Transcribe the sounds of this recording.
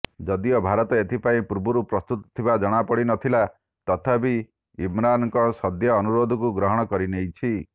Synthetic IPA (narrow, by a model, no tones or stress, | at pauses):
d͡ʒɔd̪iɔbʱaɾɔt̪ɔet̪ʰipaĩpuɾbuɾupɾɔst̪ut̪ɔ̥t̪ʰibad͡ʒɔɽ̃apɔɽinɔt̪ʰila | t̪ɔt̪ʰabi | imɾanɔŋkɔsɔd̪jɔːnuɾod̪ʱɔkuɡɾɔɦɔɽ̃ɔkɔɾinejt͡ʃʰi